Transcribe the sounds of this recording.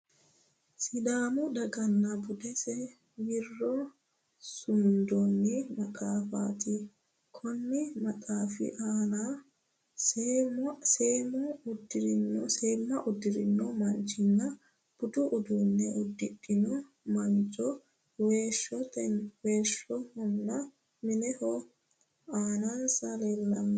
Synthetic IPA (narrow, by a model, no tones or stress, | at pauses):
sɪd̪aːmʊd̪ɐɡɐnːɐbʊd̪ɛsɛ | wɪrːɔ | sʊnd̪ɔnːɪmɐkʼaːfa̰ːt̪ɪ | kʰɔnːɪmɐkʼaːfɪ̰ʔaːna | semseːmɔʊd̪ːɪɾɪnːɔseːmːɐʔʊd̪ːɪɾɪnːɔmɐnt͡ʃːɪnːɐ | b̥ʊd̪ʊʔʊd̪uːnːɛʔʊd̪ːɪkʼːɪnɔ | mɐnt͡ʃʼɔ | weːʃːɔt̪ɛweːʃːɔhɔnːɐ | mɪnɛhɔ | aːnaːnsɐleːlːɐmː